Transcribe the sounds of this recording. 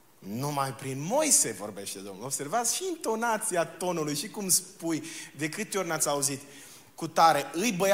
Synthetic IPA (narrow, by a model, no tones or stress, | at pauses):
numajpɾinmo̞jse̞vo̞̰rbe̞ʃt̪ed̪omnuobse̞rvat̪sʃiːnt̪o̞nat̪siat̪o̞nulujʃikumspujd̪e̞kɨt̪eo̞rʲnat̪sʲauzit̪ | kut̪aɾe̞ɨjbə